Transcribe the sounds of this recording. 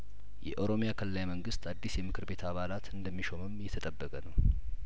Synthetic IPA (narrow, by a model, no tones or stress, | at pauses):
jɛ̰ʔo̞ɾo̞mijakʰəllajməŋɡɨst̪ad̪ːisjɛmɨkʰɨɾbe̞t̪ʰaβalat̪ɨnd̪əmːiʃo̞məmjɛt̪ʰət̪ʼəbːəkʼənəw